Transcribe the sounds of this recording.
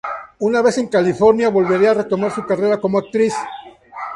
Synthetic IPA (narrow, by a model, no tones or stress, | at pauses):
unaβe̞se̞ŋkalifo̞ɾnjaβo̞lβe̞ɾiare̞t̪o̞maɾsukare̞ɾako̞moak̚t̪ɾis